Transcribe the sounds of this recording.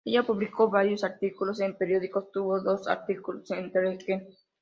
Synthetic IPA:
eʝapuβliko̞βaɾjo̞saɾt̪ikulo̞sempeɾjo̞ðiko̞st̪uβo̞ðo̞sa̰ɾt̪ikulosent̪eɾeken

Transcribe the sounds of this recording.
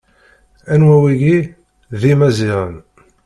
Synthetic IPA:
ænwæwiʝi | ðimæziʁə̰n

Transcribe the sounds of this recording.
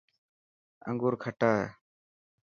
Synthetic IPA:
ə̰̃ŋɡuɾkʰəʈaːɛ

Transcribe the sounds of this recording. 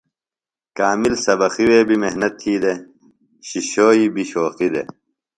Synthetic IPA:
kaːmilsɐbɐxiweːbimeɦnɐt̪ʰːiːd̪e | ɕiɕoːibiɕoːxid̪ḛ

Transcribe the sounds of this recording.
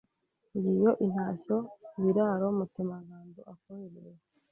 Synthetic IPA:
ŋɡijo̞ʔin̥haːɕoβiɾaːɾomutemaŋɡaːnduʔakomiɾḭe

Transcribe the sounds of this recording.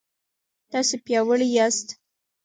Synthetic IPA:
t̪ɑsepjɑwəɭijast̪

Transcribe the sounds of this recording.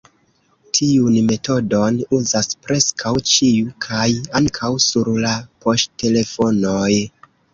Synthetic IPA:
tʰiunme̞to̞do̞nuzaspɾe̞skʰawt͡ʃiukʰajaŋkʰawsuɾlapo̞ʃtte̞le̞fo̞noj

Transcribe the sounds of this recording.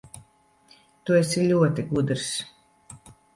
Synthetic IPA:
t̪uesilʲuɔt̪iɡud̪ɾs

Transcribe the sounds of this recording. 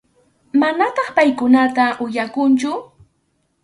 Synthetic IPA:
manat̪ɑχpajkʊnat̪aʔʊjakʊnt͡ʃʊ

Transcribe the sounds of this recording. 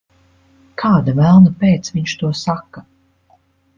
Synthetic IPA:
kʰaːd̪avælˠnapeːt̪sviɲʃt̪uɔsakːa

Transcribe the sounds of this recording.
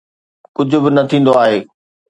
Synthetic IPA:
kʊd͡ʑʱʊ̆bɪnɐt̪ʰĩːn̆d̪oaːɦeː

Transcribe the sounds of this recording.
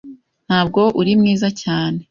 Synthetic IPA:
n̥haːb̚ɡo̞ʔuɾimŋiːzacaːne̞

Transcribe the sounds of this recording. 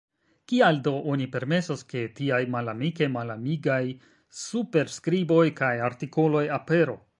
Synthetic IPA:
kialdo̞ʔonipe̞ɾme̞soske̞tiajmalamike̞malamiɡaj | supe̞ɾskɾibo̞jkajaɾtiko̞lo̞jape̞ɾo̞̰

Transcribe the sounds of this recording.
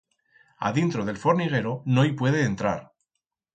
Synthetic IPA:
a̰ðint̪ɾo̞ð̞e̞lfo̞ɾniɣ̞e̞ɾo̞no̞jpwe̞ðeːnt̪ɾa̰ɾ

